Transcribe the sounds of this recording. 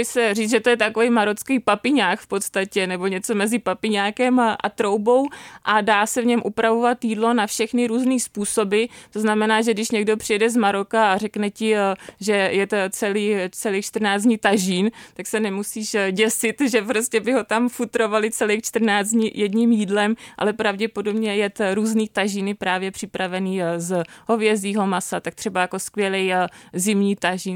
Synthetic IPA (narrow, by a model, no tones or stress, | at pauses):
jsɛriːt͡sʒɛt̪ojɛt̪akovɛjmaɾot͡skijpapɪɲaːkfpo̞t̪st̪acɛnɛbo̞ɲɛt͡so̞mɛzɪpapɪɲaːkɛmʔa̰t̪ɾo̞wbo̞wʔadaːsɛvɲɛmʔupɾavovat̪jiːdlo̞nafʃɛxnɪɾuːzniːspuːso̞bɪt̪o̞znamɛnaːʒɛɡdɪʃɲɛɡdo̞pr̥ɪjɛdɛzmaɾo̞kaarɛknɛcɪʒɛjɛt̪t͡sɛliːt͡sɛlit͡ʃt̪r̩naːt͡s̬ɲit̪aʒiːnt̪aksɛnɛmusiːʃɟɛsɪt̪ʒɛpɾoscɛbɪɦo̞t̪amfut̪ɾo̞valɪt͡sɛlixt͡ʃt̪r̩naːt͡sɲijɛdɲiːmjiːdlɛmʔa̰lɛpɾavɟɛpo̞dobɲɛjɛt̪ɾuːzniːt̪aʒiːnɪpɾaːvjɛpr̝̥ɪpɾavɛniːzɦo̞vjɛziːɦo̞masat̪ak̚t̪r̥ɛbajakoskvjɛlɛjzɪmɲiːt̪aʒiːn